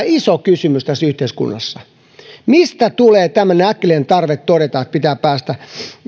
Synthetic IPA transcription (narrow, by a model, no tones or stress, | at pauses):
isokysymyst̪æsːyht̪eiskṵnːɑsːɑ | mist̪æt̪uleːt̪æmːæneækːeleːnt̪ɑrʋet̪todet̪ɑet̪̚pit̪æːppæːst̪æ